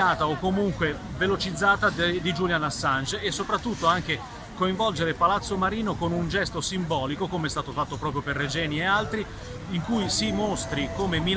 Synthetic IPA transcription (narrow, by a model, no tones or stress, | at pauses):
aːt̪aokːomuŋkwe | velot͡ʃid̪zːaːt̪ad̪id͡ʒuljanasːant͡ʃesːopɾat̪ːut̪ːoaŋk̟e | koiɱvɔld͡ʒeɾepalat̪sːomaɾiːnokonund͡ʒɛst̪osimbɔːlikokomeɛst̪aːt̪ofat̪ːopɾɔːpɾjoperːed͡ʒɛːniealt̪ɾi | iŋkujsimost̪ɾikomemi